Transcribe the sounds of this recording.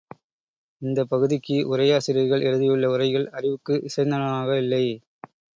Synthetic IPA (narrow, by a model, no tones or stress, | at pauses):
ɪnd̪ɐpːɐɣɯðɪkːɯʔʊrɐjaːsɪɾɪɐɾɣɐɭɛɻɯðɪjɯɭːɐʊrɐɪɣɐɭɐrɪʋɯkːɯʔɪsɐɪnd̪ɐnɐmaːɣɐɪlːɐɪ